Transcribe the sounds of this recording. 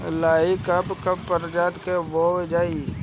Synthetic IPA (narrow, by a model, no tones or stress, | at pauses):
laːikəbkəbpəɾd͡ʒaːd̪kebowed͡ʒaːi